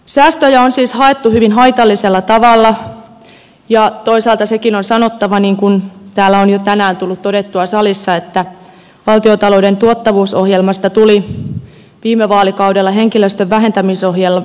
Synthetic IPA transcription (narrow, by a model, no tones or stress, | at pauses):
sæːst̪øjæonsiːshɑet̪ːuhyʋinɦɑjt̪ɑlːiselːɑt̪ɑʋɑlːɑ | jɑt̪o̞isɑːlt̪ɑsekinonsɑnot̪ːɑʋɑniːŋkunt̪æːlːæonjot̪ænæːnt̪ulːut̪todet̪ːuɑsɑlisːɑet̪ːæ | ʋɑlt̪iot̪ɑloudent̪uot̪ːɑʋuːsohjelmɑst̪ɑt̪uli | ʋiːmːeʋɑːlikɑudelːɑɦeŋkiløst̪øʋʋæɦe̞nt̪æmiso̞hjelːɑ